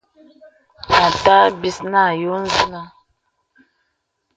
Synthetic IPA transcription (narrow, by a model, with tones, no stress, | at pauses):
a˨ta˦bi˦sna˦˨jo˦n˦zi˦na˦˨